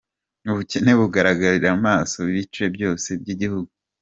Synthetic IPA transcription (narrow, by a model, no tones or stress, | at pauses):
uβuce̞ne̞βuɡaɾaɡaɾiɾaumaːso̞βiβit͡ʃuje̞bjo̞ːse̞bɟiɟihuɡu